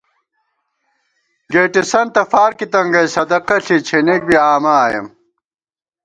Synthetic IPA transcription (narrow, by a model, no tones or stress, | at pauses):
ɡeːʈisɐnt̪ɐfaːɾkit̪ɐŋɡɐjsɐd̪ɐqɐɬit͡ɕʰenek̚biaːmaːjɐ̰m